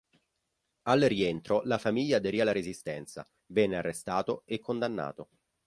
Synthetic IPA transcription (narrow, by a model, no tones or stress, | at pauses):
alrient̪ɾolafamiʎːaːd̪eɾialːaɾezist̪ɛnt̪sa̰ | vɛnːearːest̪aːt̪oekʰːond̪anːa̰ːt̪o